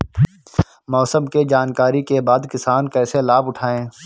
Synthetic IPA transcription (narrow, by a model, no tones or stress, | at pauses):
mɔːsəmked͡ʒaːnkaːɾikebaːd̪kɪsaːnkɛːselaːbʊʈʰaːẽː